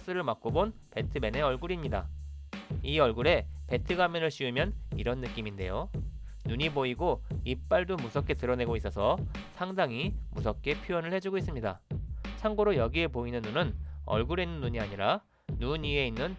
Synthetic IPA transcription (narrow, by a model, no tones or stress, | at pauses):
s͈ɯɾɯɭmak͈obon | pe̞tʰɯme̞ne̞ʌɭɡuɾimɲida̰ | iʌɭɡuɾe̞pe̞tʰɯɡamjʌnɯɭɕ͈ʰiumjʌniɾʌnːɯk͈iminde̞̰jo | nuɲiboiɡoip͈aɭdomusʰʌk͈e̞tɯɾʌne̞ɡois͈ʌsʰʌsʰaŋdaŋimusʰʌk͈e̞pʰjuʌnɯɭhe̞d͡ʑuɡois͈ɯmɲida̰t͡ɕʰaŋɡoɾojʌɡie̞poinɯnːunɯnʌ̰ɭɡuɾenːɯnːuɲiaɲiɾa | nuɲie̞inːɯn